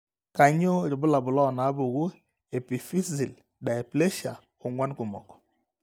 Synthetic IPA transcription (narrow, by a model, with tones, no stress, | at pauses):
ka˨ɲo˦ɾɪ˨bʊ˦la˨bʊ˨lɔ˦˨na˨˦bʊ˨ɣu˦ | e˨pi˨fi˦si˨l | da˨e˨ple˦ʃa˨ | ʊ˨ŋwa˦nkʊ˨mɔ̰˨kɔ̥˨